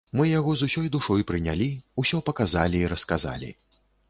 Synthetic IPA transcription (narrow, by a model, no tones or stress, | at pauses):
mɨjaɣɔzusʲɔjd̪uʂɔjpɾɨnʲa̰lʲiusʲɔpɐkazalʲiːɾɐskaza̰lʲḭ